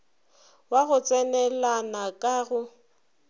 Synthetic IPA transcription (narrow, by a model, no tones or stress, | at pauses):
waɣʊt͡sʼɛnɛlanakʼaɣʊ